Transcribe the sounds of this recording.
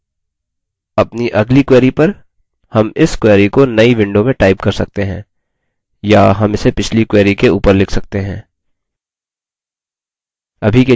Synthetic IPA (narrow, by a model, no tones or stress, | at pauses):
ɐpniʔɐɡlikwɛːɾipɐɾ | hɐmɪskwɛːɾikonɐiʋɪ̃ɳɖomẽʈaːɪp̚kɐɾsɐk̚t̪eɦɛ̃ː | jaɦɐmɪsepɪt͡ʃʰlikwɛːɾikeuːpəɾlɪkʰsɐk̚t̪eɦɛ̃ː | ɐbʱike